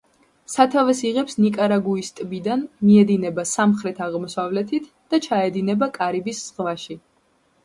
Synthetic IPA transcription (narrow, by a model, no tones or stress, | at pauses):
sat̪ʰavɛsiʁɛpsnikʼaɾaɡuist̪ʼbid̪anmiɛd̪inɛbasamχɾɛt̪ʰaʁmɔsavlɛt̪ʰit̪ʰ | d̪̥at͡ʃʰaɛd̪inɛbakʼaɾibisz̥ʁvaʃi